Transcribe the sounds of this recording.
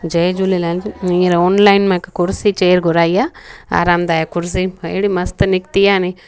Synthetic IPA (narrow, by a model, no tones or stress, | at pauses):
d͡ʒɐjd͡ʒuliland͡ʒiɾɐoːnlɐjnmɐkɐkuɾsit͡ʃeːɾɡuɾaːjaa̰ːɾaːmd̪aːjakuɾs̬iɐjɽimɐst̪ɨnikt̪ijaːni